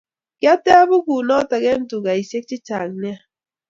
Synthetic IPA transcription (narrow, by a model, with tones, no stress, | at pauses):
kja˦tɛ˦a˦bʊ˦ku˨nɔ˦ta˨ɣɛ˦n̩˦tu˨ɡa˨i˨se˦k̚t͡ʃɪ˦t͡ʃa˨ŋ˨nɪ˦a˦